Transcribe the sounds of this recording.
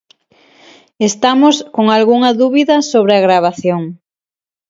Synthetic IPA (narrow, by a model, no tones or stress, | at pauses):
est̪amoskoŋalɣuŋɐðuβiðɐsoβɾeaɣɾaβ̞aθjoŋ